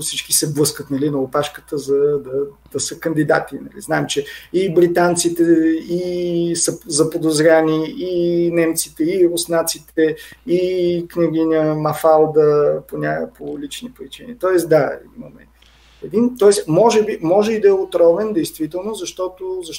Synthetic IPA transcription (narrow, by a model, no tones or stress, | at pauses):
sit͡ʃkisɛblˠɤskət̪nɐlinɐopaʃkə̥t̪əzɐd̪ɐd̪̥ɐsəkɐnd̪id̪a̰t̪inɐ̰lḭznaɛmt͡ʃɛibɾit̪ant̪sit̪ɛisɐzɐpod̪ozɾʲaniinɛmt̪sit̪ɛiɾosnat̪sit̪ɛiknʲɛɡinʲəmɐfalˠd̪əponʲapʰolit͡ʃnipɾit͡ʃinḭt̪ɔɛsd̪aimomɛ̰ | ɛd̪int̪ɔɛsmɔʒɛbimɔʒɛid̪ɐɛot̪ɾɔvɛnd̪ɛjst̪vit̪ɛlˠnozɐʃt̪ɔt̪ozɐʃ